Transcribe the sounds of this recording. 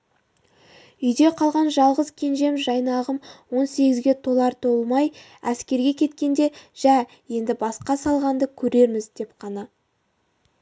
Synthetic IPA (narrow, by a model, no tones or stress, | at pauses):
ʏjd̪e̞qʰɑlˠʁɑnʒɑlˠʁəzkʲʰe̞nʒe̞mʒɑjnɑʁəmwo̞nse̞ɡʲɪzɡʲe̞t̪ʰo̞lˠɑɾt̪ʰo̞lˠmɑj | æskʲe̞ɾɡʲe̞kʲʰe̞t̪kʲe̞nd̪e̞ʒ̥æ | je̞nd̪ɪbɑsqɑsɑlˠʁɑnd̪əkʲʰɵɾe̞ɾmɪzd̪e̞pqʰɑnɑ